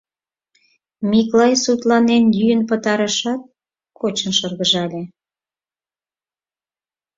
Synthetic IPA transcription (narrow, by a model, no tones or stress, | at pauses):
miklɑjsut̪lɑnenjyjənpət̪ɑɾəʃɑt̪̚ | kʰot͡ɕənʃərɣəʒɑlʲe